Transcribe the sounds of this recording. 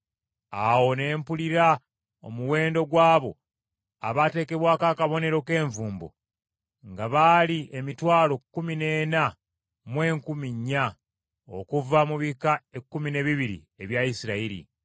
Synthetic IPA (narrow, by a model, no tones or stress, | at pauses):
awo̞ne̞ːmpuliɾa | o̰muwe̞ːndo̞ɡwaːβo̞̰ | a̰βate̞ːke̞βwaːkakaβo̞ne̞ɾo̞ke̞ːɱvuːmbo̰ | ŋɡaβaːliemitwaːlo̞kːumine̞ːna | mwe̞ːŋkumiɲːa | o̰kuvamuβikaekːumine̞βiβiɾḭ | e̞βjaisiɾaiɾḭ